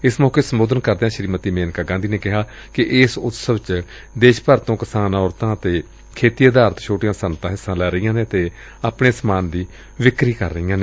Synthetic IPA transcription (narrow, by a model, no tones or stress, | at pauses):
ɪsmɔːkeːsəmoːd̪ənkəɾd̪eːãːʃəɾiːmət̪iːmeːnkaːɡãːnd̪iːneːkɪɦaː | kɪʔɪsʊt̪səʋt͡ʃ | d̪eːʃpəɾt̪õːkɪsaːnɔːɾt̪ãːət̪eː | kʰeːt̪ijaːd̪aːɾt̪t͡ʃʰoːʈijãːsənt̪ãːɦɪsːãːlɛːɾəijãːneːət̪eː | aːpɳeːsmaːnd̪iː | ʋɪkɾiːkə̰ɾːəijãːneː